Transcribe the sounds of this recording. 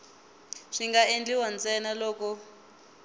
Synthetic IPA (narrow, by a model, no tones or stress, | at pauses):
ʂiŋɡaend͡ɮiwant͡sɛnalɔːkɔ